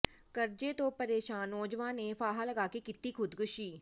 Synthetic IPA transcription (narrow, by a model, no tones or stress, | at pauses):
kɐɾd͡ʒet̪opɐɾeːʃaːnɔ̃ːd͡ʒʋãnefaːɦalɐɡaːkekɪt̪ːikʰʊd̪kʊʃiː